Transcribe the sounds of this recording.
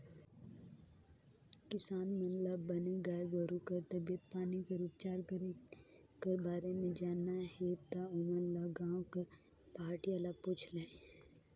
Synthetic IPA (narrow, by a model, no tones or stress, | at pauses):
kɪsaːnmənlabɐneɡaːɡəɾukɐɾt̪ɐbijət̪̚paːnikeɾuːpt͡ʃaːɾkəɾe | kəɾbaːɾemẽd͡ʒaːnaɦet̪aʊmənlaɡãːõkɐɾ | paːɾʈialaput͡ʃʰlẽːe